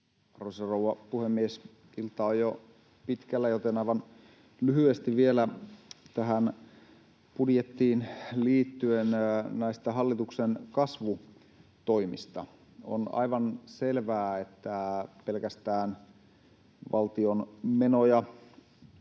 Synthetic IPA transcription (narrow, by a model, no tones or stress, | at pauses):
rosɑrowɑpuhemːies | ilt̪ɑojo | pit̪kælːæjot̪enɑiʋɑn | lyhyest̪iʋielæt̪æɦæn | pudjet̪ːiːnliːt̪ːyennæist̪æɦɑlːit̪uksenkɑsʋu | t̪oimḭst̪ɑ̰ | o̰nɑ̰iʋɑnselʋæːet̪ːæpelkæst̪æːn | ʋʔɑlt̪ionmenojɑ